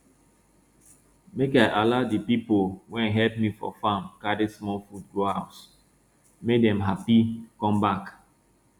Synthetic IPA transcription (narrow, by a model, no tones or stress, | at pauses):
mekaɪʔalaʊdipipolwɛ̃nɦɛlp̚mifɔ̰fãmkaɾismɔlfud̚ɡohaʊt | mek̚dɛ̃mɦapikɔ̃mbak